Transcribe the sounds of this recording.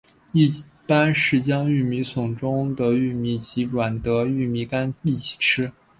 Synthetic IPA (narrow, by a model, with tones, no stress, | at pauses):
i˥˩ | pa˥nʂɻ̩˥˩t͡ɕjɑ˥ŋy˥˩mi˧˥sʊ˨˩ŋʈ͡ʂʊ˥ŋd̪ə˨y˥˩mi˧˥t͡ɕi˧˥ʈ͡ʂwa˨˩nt̪ɤ˧˥y˥˩mi˧˥ka˥ni˥˩t͡ɕʰi̥˨˩ʈ͡ʂʰɻ̩˥